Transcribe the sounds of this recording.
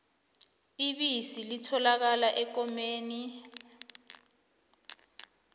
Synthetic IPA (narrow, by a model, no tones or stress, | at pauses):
iɓisilitʰɔlak̬alaʔɛk̬ɔmeːni